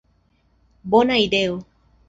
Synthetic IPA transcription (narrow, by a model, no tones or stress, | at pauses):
bonaid̪eo